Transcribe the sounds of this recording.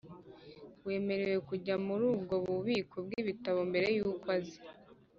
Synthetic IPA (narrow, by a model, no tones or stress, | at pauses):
we̞ːme̞ɾe̞we̞kuɟamuɾuːbɡo̞βuβiːkobɡiːβitaβo̞mbe̞ɾe̞juːkwazi̥